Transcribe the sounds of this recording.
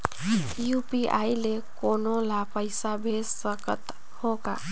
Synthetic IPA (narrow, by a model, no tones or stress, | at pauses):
jupiʔa̰jlekonolapəɪsabʱesːəkət̪ | hoka